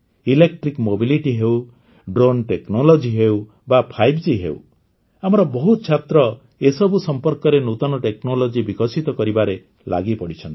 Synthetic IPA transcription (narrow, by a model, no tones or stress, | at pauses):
ilek̚ʈɾikmobiliʈiɦew | ɖɾonʈeknolɔd͡ʒiɦew | bapʰajbd͡ʒiɦḛṵw̰ | amɔɾɔbɔɦut̪ɔt͡ʃʰat̪ɾɔ | esɔbusɔmpɔɾkɔɾenut̪ɔnɔʈeknolɔd͡ʒibikɔsit̪ɔkɔɾibaɾe | lʔa̰ɡipɔɽit͡ʃʰɔnt̪i̥